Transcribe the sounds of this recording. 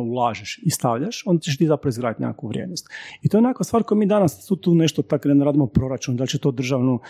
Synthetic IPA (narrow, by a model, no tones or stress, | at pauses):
ulˠaːʒeʃist̪aʋʎaʃond̪at͡ɕeʃt̪iːzapɾaʋoizɡɾaːdit̪ɲʲa̰kːkuʋɾʲjḛːd̪nost̪it̪oenekakʋast̪ʋaːɾkojamiːd̪anast̪ut̪uːneʃt̪ot̪aknenɾaːd̪imopɾo̞ɾat͡ʃund̪alʲt͡ɕet̪oːd̪r̩ʒaʋnu